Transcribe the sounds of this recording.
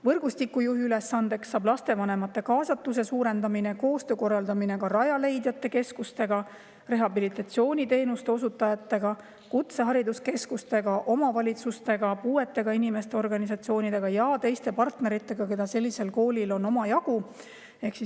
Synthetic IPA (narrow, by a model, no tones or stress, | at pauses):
vɤrɡ̥ust̪ikːˑujuɦiyle̞sːɑnd̪̥e̞ksːɑːblɑst̪e̞vɑne̞mɑt̪ːˑe̞kɑːsɑt̪ːˑuse̞suːɾe̞nd̪̥ɑmine̞ko̞ːst̪øːko̞rːɑld̪ɑmine̞kɑɾɑjɑle̞jd̪̥jɑt̪ːe̞ke̞skust̪e̞ɡ̥ɑ | re̞ɦɑbilit̪ːˑɑt̪sio̞ːnʲit̪e̞ːnust̪e̞o̞sut̪ːˑɑjɑt̪ːe̞ɡ̥ɑ | kut̪se̞ɦɑɾid̪uske̞skust̪e̞ɡ̥ɑʔo̞mɑvɑlʲit̪sust̪e̞ɡ̥ɑpuːe̞t̪ːˑe̞ɡ̥ɑinime̞st̪e̞orɡ̥ɑnisɑt̪sio̞ːnʲid̪̥e̞ɡ̥ɑjɑt̪e̞jst̪e̞pɑrt̪ne̞ɾit̪ːˑe̞ɡ̥ɑke̞d̪̥ɑse̞lʲːise̞lko̞ːlʲilo̞no̞mɑjɑɡ̥u | e̞hksi